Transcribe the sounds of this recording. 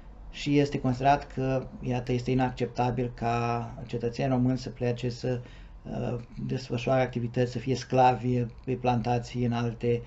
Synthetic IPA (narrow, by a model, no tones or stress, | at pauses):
ʃije̞st̪e̞ko̞nsid̪eɾat̪kʰəjat̪əje̞st̪einakt͡ʃe̞p̚t̪abilkʰat͡ʃe̞t̪ət̪seniro̞mɨnʲsəpleat͡ʃe̞sə | d̪e̞sfəʃuaɾeak̚t̪ivit̪ət̪sʲsəfije̞sklavʲiplant̪at̪sʲɨnalt̪e̞